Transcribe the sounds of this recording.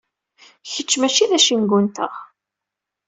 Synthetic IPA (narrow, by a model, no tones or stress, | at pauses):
çət͡ʃːmæt͡ʃːiðæʃinɡʷʊnt̪ə̰ʁ